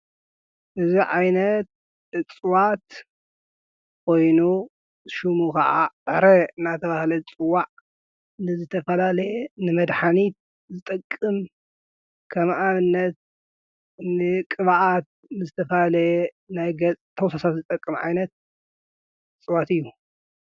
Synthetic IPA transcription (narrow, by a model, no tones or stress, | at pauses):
ʔɨziʕajnɐt̪̚ | ʔɨt͡sʼwat̪ | kʰo̞jnu | ʃumukʰɐʔa̰ʔɾɐɨnat̪ʰɐβahlɐt͡sʼɨwːaʕ | nɨzɨt̪ʰɐfɐlalɐjɛnɨmɐd̪ħanit̪̚ | zɨt̪ʼɐkʼːɨm | kʰɐmʔaβɨnːɐt̪̚ | nɨkʼɨβaʔat̪̚ | nɨzɨt̪ʰɐfɐlɐjɛ | najɡɐt͡sʼt̪ʰɐwsasat̪zɨt̪ʼɐkʼːɨmʕa̰jnɐt̪̚ | ɨt͡sʼɨwat̪ɨjːu